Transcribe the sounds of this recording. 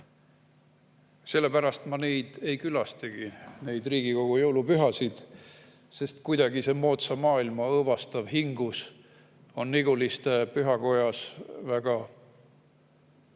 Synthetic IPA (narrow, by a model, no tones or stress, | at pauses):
se̞lːe̞pæɾɑst̪mɑne̞jd̪̥e̞jkylɑst̪eɡ̥ine̞jd̪riːɡ̥iko̞ɡ̥ujɤwlupyɦɑsid̪̥ | se̞st̪kujd̪̥ɑɡise̞mo̞ːt̪sɑmɑːilmɑɤːvɑst̪ɑvɦiŋɡus | o̞nːiɡ̥ulist̪epyɦɑko̞jɑsvæɡ̥ɑ